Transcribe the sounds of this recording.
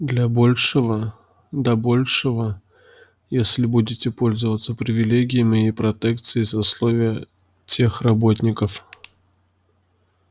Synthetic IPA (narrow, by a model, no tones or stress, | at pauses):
d̪lʲɐbolʲʂɨvə | d̪ɐbo̞lʲʂɨvə | jesʲlʲɪbudʲɪtʲɪpo̞lʲzəvət̪səpɾʲɪvʲɪlʲeɡʲɪjɪmʲɪɪpɾɐt̪ɛkt̪sɨɪsɐslˠovʲɪjə | tʲʰe̞xrɐbot̪ʲnʲɪkəf